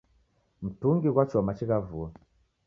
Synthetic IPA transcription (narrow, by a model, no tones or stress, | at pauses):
m̩tuŋɡiɣwat͡ʃɔmat͡ʃiɣavua